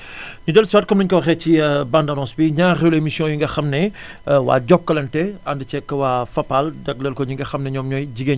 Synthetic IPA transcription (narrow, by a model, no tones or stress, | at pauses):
ɲudɛlswaːt̚kɐmnuɲkɔxɛcibandɐnɔ̃ːsbiɲaːrelemisjɔ̃juŋɡɐxɐmnɛ | wa̰ːɟɔkːɐlɐntɛɐndɐcɛkːɐwaːfɐpːaldɐk̚lɛlkɔɲuŋɡɐxɐmnɛɲɔːmɲɔjɟiɡeɲ